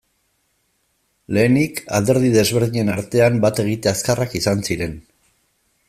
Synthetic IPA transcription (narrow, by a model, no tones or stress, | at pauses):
le̞ːnika̰ld̪e̞ɾðiðe̞zβe̞ɾð̞iɲe̞naɾt̪e̞ambat̪e̞ɣ̞it̪e̞askarakisansiɾe̞n